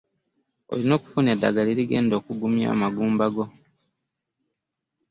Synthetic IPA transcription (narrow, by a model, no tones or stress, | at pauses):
o̞̰lino̞ːku̥funedːa̰ɡaliɾiɡe̞ːndo̞ːkuɡumja̰ːmaɡuːmbaɡo̞